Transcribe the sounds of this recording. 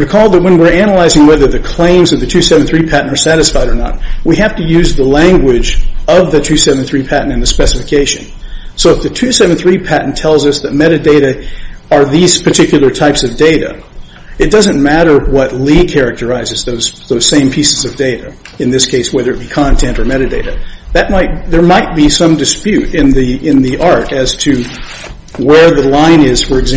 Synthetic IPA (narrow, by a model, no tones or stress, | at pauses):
kʰɔlˠd̪̚ðɨt̚wə̃nwɪɹænəlaɪzɪ̃ŋwɛðə˞ðɨkʰl̥ẽɪ̃mzʌvðɨtʰʉsɛvn̩θɹipʰæʔn̩ə˞sæɾɨsfaɪɾə˞nə̰t̚wihæftɨjʉzðəlæ̃ŋɡwɪd͡ʒʌvðɨtʰʉsɛvn̩θɹipʰæʔn̩tɨ̃nðɨspɛsəfɨkʰeɪʃɨ̰̃n | soʊəfðɨtʰʉsɛvn̩θɹipʰæʔn̩tʰɛlˠzʌsðɨt̚mɛɾɨdeɪɾɨə˞ðiz̥pʰə˞tʰɪkjl̩ˠə˞tʰaɪpsʌvdeɪɾɨ̰ | ɨt̚d̥ʌzɨ̃nmæɾə˞wʌtˡlikʰɛɹɨk̚tə˞aɪzɨzðoʊz̥ðoʊz̥sẽɪ̃mpʰisɨzʌvdeɪɾɨ̰ | ɨ̃nðɪskʰeɪswɛðə˞ɨt̚b̥ikʰɑ̃ntʰɛ̃ntə˞mɛɾɨdeɪɾɨðɨt̚maɪt̚ðə˞maɪt̚b̥isʌ̃mdɨspjʉɾɪ̃nðiɪ̃nðiʔɑɹɾɨz̥tʰɨ | wə˞ðɨlãɪ̃nɪz̥fə˞ɨɡzæ